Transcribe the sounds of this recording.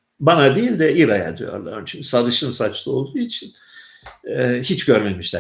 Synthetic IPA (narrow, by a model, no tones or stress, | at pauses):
banad̪ejilʲd̪ɛʔiɾaja̰d̪y̰jo̞̰ɾlˠa̰ɾmt͡ʃʰymʲisaɾɯʃɯnsat͡ʃlˠɯo̞lˠd̪uːit͡ʃʰin | ɛhit͡ʃɟøɾmemiʃlʲæ